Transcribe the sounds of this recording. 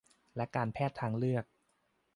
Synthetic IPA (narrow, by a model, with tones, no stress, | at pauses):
lɛ˦˥kaː˧npʰɛː˥˩t̪ʰːaː˧ŋlɯ˥˩ək̚